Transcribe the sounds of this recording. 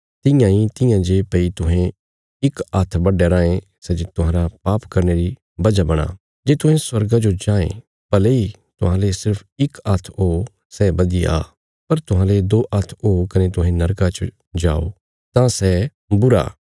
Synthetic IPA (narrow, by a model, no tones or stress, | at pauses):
t̪ɪ̃jãĩt̪ɪjãd͡ʒeːpɐit̪ʊɦẽ | ɪkat̪ʰbɐɖeɾãːẽ | sɛd͡ʒet̪ʊɦãːɾapaːpkɐɾneːɾi | bɐd͡ʒabɐɽ̃a̰ː | d͡ʒeːt̪ʊ̃ɦẽswɐɾɡad͡ʒod͡ʒãːḛ̃ | pɐlei | t̪ʊɦãlesɪɾpʰɪkɐt̪ʰoː | sɛbɐd̪ia̰ː | pɐɾt̪ʊɦãːled̪oːʔɐt̪ʰoːkɐnẽt̪ʊɦẽnɐɾkat͡ʃ | d͡ʒa̰ːo̰ | t̪ãsɛ | bʊɾa̰ː